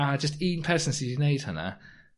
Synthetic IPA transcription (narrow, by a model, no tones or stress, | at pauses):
ad͡ʒʌstĩːnpʰɜːˑsə̃nsineɪd̥hənə̰